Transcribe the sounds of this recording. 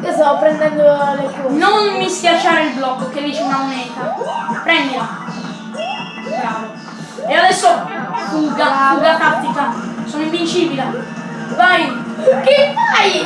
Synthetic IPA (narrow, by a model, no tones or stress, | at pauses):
kest̪aopːɾɛnd̪ɛnd̪olekunonmiskjat͡ʃːaːɾeilblɔkːked̪iːt͡ʃeunamonɛːt̪apɾɛnd̪ila | bɾavo | ead̪ɛsːokuɡafuɡat̪at̪ːit̪asoːnoiɱvint͡ʃiːbilavajpekeaj